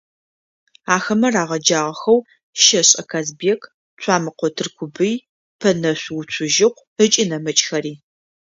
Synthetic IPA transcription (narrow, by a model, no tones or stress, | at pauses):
aːxɐmɐraːʁɐd͡ʒaːʁɐxɐw | ʃɐɕʼɐkʰaːzbekʰ | t͡ʃʷʰaːmɨqʷɔtʰɨrkʷʰʊbɨj | pʰɐnɐɕʷwʊt͡ɕʷʰʊʒɪqʷ | ət͡ʃʼinɐmɐt͡ʃʼxɐɾiː